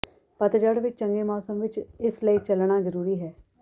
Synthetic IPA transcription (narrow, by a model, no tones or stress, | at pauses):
pət̪d͡ʒəɽʋɪt͡ʃt͡ʃə̃ŋɡeːmɔːsəmʋɪt͡ʃɪsləiːt͡ʃəlɳ̃aːzəɾuːɾiːɦɛː